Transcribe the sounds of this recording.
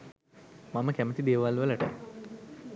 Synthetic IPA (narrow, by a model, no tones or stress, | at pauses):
maməkæmət̪id̪eːʋalʋələʈə̰